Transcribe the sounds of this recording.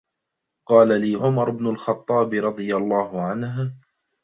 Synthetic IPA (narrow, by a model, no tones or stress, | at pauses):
qɑːlaliːʕʊmɑɾˤɪbnʊlxɑt̪ˤːɑːbɾˤɑd̪ˤɨjalˤːɑːhʊʕanɦ